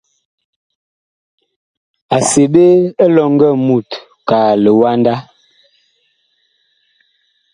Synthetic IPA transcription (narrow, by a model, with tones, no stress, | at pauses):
a˨se˨be˦e˦lɔ˨ŋɡɛ˦˨mu˨t | ka˨lə˨wa˦nda˦